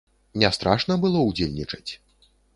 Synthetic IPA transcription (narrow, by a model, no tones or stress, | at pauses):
nʲɛst̪ɾaʂnɐbɨlˠɔud͡zʲelʲnʲit͡ʂɐ̥t͡sʲ